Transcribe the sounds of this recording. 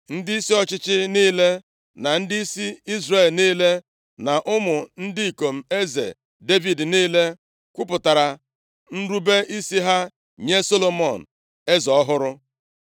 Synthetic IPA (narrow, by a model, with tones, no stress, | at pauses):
n̩˦dɪ˦i˦si˦ɔ˨t͡ʃɪ˦t͡ʃɪ˦niː˦le˦ | na˨n̩˦dɪ˦i˦si˦i˦zre˨lniː˦le˦ | na˨ʔʊ˦mʊ˨n̩˦dɪ˦i˨ko˨m̩˨e˦zḛ˨ | de˦vi˨dniː˦le˦ | kʷʊ˦pʊ˨ta˨ɾa˨ | n̩˦ɾu˦be˦ʔi˦si˦ɦa˦ | ɲe˦so˦lo˨mɔ˨n̩˨ | e˦zɔ˨ɔ˦ɦʊ˦ɾʊ˦